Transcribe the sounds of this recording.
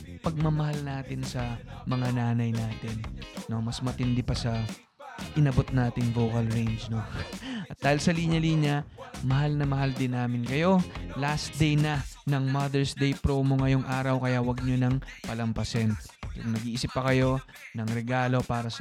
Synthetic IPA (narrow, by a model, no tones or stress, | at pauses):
pɐɡ̚mɐmɐhalnaːt̪ɪnsɐmɐŋanaːnɐjnaːt̪ɪnːo̞mɐsmɐt̪ɪnd̪ɪpɐsɐ | ʔɪnɐbo̞t̪̚naːt̪ɪŋvo̞wkɐlɹejnd͡ʒno̞ʔɐt̪̚d̪aːhɪlsɐliɲɐliːɲɐmɐɦalnɐmɐhald̪ɪnːaːmɪnkɐjo̞lasd̪ejnɐnɐŋmɐd̪ɛɹsd̪ejpɾoːmo̞ŋɐjo̞ŋʔaːɾɐwkɐjawɐɡ̚ɲonɐŋpɐlɐmpɐsɛnkʊŋnɐɡiːʔiːsɪpːɐkɐjo̞ | nɐŋɾɛɡaːlo̞paːɾɐs